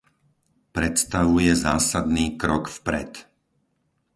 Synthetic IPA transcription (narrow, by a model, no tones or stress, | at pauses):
pɾɛt̪st̪aʋujɛzaːsad̪niːkɾɔkfpɾɛ̰t̪